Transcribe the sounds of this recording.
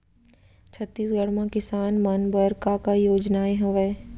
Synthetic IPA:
t͡ʃʰət̪ːiːsɡʱəɽmãkɪsaːnmɐnbəɾkakajoːd͡ʒnaːeɦʊʋɛ

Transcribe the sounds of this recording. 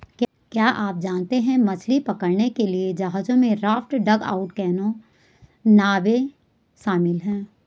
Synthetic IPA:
k | kjaːʔaːp̚d͡ʒaːnt̪eɦɛ̃mɐt͡ʃʰlipɐkəɾnekelied͡ʒɐɦaːd͡ʒõmẽɾaːfʈɖɐɡa̰ːʊʈkɛːnõ | naːʋe | ʃaːmɪlɦɛ̃ː

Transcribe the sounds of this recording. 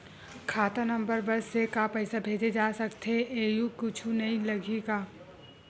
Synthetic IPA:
kʰaːt̪anɐ̃mbəɾbɐsːekapɛɪsabʱeːd͡ʒed͡ʒaːsɐkt̪ɦeʔeːjukʊt͡ʃʰunɐɦĩlɐɡeːɡaː

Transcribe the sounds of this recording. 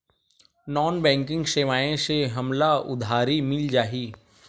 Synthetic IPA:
nɔːnbɛ̃ːŋkɪ̃ŋɡʃeʋaːẽseɦɐmlaʊ̰d̪ʱaːɾimɪld͡ʒaːɦiː

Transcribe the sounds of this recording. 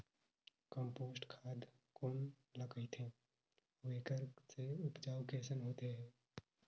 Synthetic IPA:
kə̃mpoːsʈkʰaːd̪ | koːn | lɐkəit̪ʰẽː | ʋeːkəɾseʊpd͡ʒaːʋkeːsənɦoːt̪eɦɛ̃ː

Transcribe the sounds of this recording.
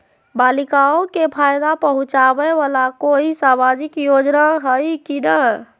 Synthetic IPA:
balikaokepʰajd̪apəɦũt͡ʃabəʋalakoisamad͡ʒikjod͡ʒnaɦəjkinə

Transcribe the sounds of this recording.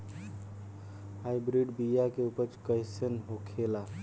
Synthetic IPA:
ajbɾiɖbijakeupət͡ʃkəjsənɦokʰela

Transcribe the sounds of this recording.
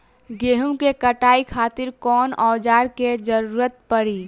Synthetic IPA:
ɡeːɦũkekəʈaːikʰaːt̪ɪɾkɔːnɔːd͡ʒaːɾked͡ʒəɾuːɾət̪̚pəɾiː

